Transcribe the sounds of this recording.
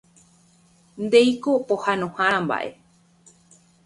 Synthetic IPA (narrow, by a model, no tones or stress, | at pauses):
nd̪e̞jkopohanõhããmba̰ʔḛ